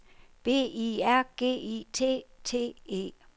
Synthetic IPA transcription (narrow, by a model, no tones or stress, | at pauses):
b̥e̝̰ːiæɐ̰ɡ̥e̝̰ːit͡sʰe̝̰ːt͡sʰe̝̰ːe̝̰ː